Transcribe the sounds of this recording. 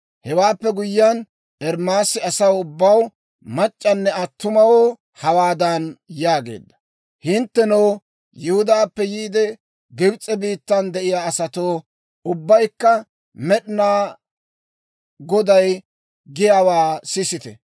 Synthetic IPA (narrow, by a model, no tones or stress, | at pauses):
hɛwaːpːɛɡʊjːɐn | ɛɾmaːsɪɐsɐwʊbːɐw | mɐt͡ʃʼːɐnːɛɐt̪ːʊmɐwo | hɐwaːd̪ɐnjaːɡe̞̰ːd̪ːɐ | hɪnt̪ːɛnow | jɪhʊd̪aːpːɛjiːd̪ɛ | ɡɪbt͡sʼɛbiːt̪ːɐnd̪ɛʔɪjaːɐsɐt̪oː | ʊbːɐjkːɐ | mɛɗɪnaː | ɡɔd̪ɐj | ɡɪjaːwaːsɪsɪt̪ɛ̰